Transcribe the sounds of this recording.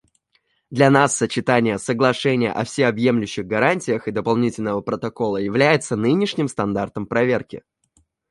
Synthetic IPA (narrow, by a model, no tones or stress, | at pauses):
d̪lʲɐnasːət͡ɕɪt̪anʲɪjəsəɡlˠɐʂɛnʲɪjə̰ʔɐfsʲexɐbje̞mlʲʉɕːɪɣɡɐɾanʲtʲɪjəxɨd̪əpɐlˠnʲitʲɪlʲnəvəpɾət̪ɐko̞lˠəjɪvlʲæjɪt̪sənɨnʲɪʂnʲɪmst̪ɐnd̪art̪əmpɾɐvʲe̞rkʲɪ̰